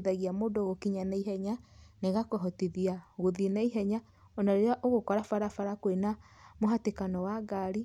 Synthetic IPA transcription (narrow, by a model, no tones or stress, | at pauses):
ðaɣiamoːdoɣokiɲanaiɦɛɲaneɣakɔɦɔtiðiaɣoðinaiɦɛɲa | ɔnaɾeɾeaʔoɣokɔɾafaɾafaɾakoenamoɦatekanɔwaɡaɾi